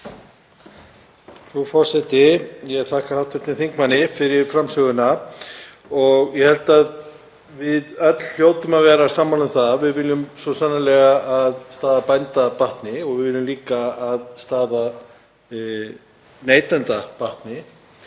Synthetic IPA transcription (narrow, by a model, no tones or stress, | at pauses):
fɾufɔɾ̥sɛt̪ɪjɛɣθʰahkahawt̪fɛ̥t̪ɪnθiŋkmanːɪfɪɾɪɾ̥fɾamsœɣʏna | ɔɣjɛhɛlt̪að | vɪðœt̪l̥l̥joːwt̪ʏmaðvɛːɾasaːmːalʏmθavɪðvɪljʏmsɔsanːalɛɣaʔaðst̪aːðapajnt̪apaht̪nɪɔɣvɪðvɪljʏmliːkaːðst̪aːða | neːjt̪ant̪apaht̪nɪ